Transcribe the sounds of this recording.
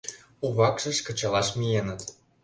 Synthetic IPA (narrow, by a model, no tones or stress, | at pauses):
uβɑkʒə̆ʃkə̆t͡ɕɑlɑʃmʲijenə̆t̪